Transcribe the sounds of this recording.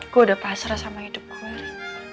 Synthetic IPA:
kuadapaɦasaɾasamahid̪ʊp̚ku

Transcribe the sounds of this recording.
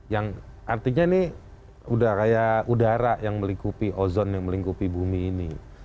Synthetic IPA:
jaŋ | ʔart̪iɲanɪ | udakajaudaɾajaŋməliŋkupiʔozɔnjaŋməliŋkupibumiːnḭ

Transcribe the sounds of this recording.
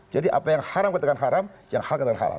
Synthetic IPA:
d͡ʒadiʔa̰pajaŋhaɾamkat̪akanɦaɾamjaŋhalkat̪akanɦa̰ɾa̰m

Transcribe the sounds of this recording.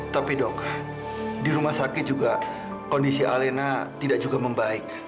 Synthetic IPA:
t̪apidɔk | diɾumahsakɪt̪̚d͡ʒuɡa | kondisiʔa̰lenat̪idak̚d͡ʒuɡaməmbaɪk̚

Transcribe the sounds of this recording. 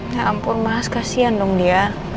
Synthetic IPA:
ŋampʊrmaɦaskasiandɔŋdia

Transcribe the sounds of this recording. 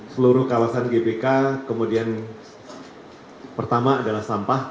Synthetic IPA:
səluɾʊhkawasanɡebekakəmudian | pərt̪amaːdalahsampah

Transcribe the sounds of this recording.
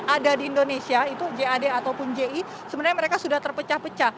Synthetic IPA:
adadiːndonesiait̪ud͡ʒeadeat̪awpʊnd͡ʒei | səbənarɲaməɾekasudaht̪ərpət͡ʃahpət͡ʃah

